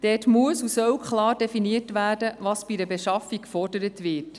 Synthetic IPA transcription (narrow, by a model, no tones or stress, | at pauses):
d̥ɛːtmuəsusœwkʰχlɑːɾdefiniətʋæːdəvɑːsb̥idəbeʃɑfikfɔrdəɾətʋɪːt